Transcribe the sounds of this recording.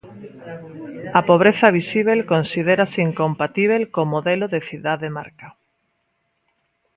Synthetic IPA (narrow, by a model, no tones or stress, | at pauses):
apoβ̞ɾeθaβ̞isiβ̞elkonsiðeɾaseiŋkompat̪iβ̞elkomoðeloðeθiðaðema̰ɾka